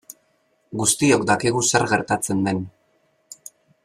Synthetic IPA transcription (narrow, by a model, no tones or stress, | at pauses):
ɡust̪io̞kd̪akiɣuse̞ɾɣe̞ɾt̪at͡se̞nd̪e̞n